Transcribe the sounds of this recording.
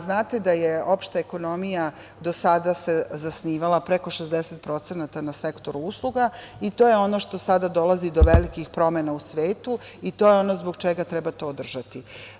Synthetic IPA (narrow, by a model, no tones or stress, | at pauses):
znaːt̪e̞d̪ajeo̞pʃt̪eeko̞no̞mija | d̪o̞sad̪asezasniːʋalˠapɾeko̞ʃezd̪eset̪̚pɾo̞t̪senat̪anasekt̪o̞ɾuuslˠuɡait̪ojeo̞no̞ʃt̪o̞sad̪ad̪o̞lazid̪o̞ʋelikixpɾo̞menausʋeːt̪uit̪o̞ːjeo̞no̞zbo̞ɡt͡ʃeɡat̪ɾɛbat̪o̞ːd̪r̩ʒat̪i